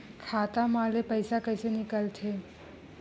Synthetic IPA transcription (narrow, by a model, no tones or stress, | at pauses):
kʰat̪amalepəjsakəjsenikalt̪ʰe